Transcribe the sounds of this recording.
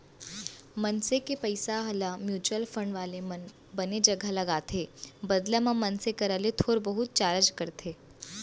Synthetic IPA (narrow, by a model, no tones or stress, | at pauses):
mɐnsekepɐɪsaɦɐlamjuːt͡ʃuəlfə̃ɳɖʋaːlemɐn | bɐned͡ʒɐɡʱalɐɡaːt̪ʰeːbɐd̪lamãmɐnsekɐɾəlet̪ʰoːɾbəɦʊt̪̚t͡ʃaːɾəd͡ʒkɐɾt̪ʰeː